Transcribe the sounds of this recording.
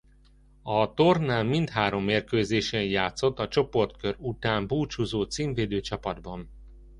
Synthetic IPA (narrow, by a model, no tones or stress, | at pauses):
ɒt̪ornaːlmint̪haːɾo̞mːeːrkøːzeːʃɛjjaːt̪so̞t̪ːɒt͡ʃo̞po̞rt̪køɾut̪aːmbuːt͡ʃuzoːt̪siːɱveːd̪øːt͡ʃɒpɒd̪bɒn